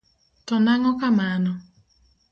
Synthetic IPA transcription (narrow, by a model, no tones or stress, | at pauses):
tɔnaŋɔkamanɔ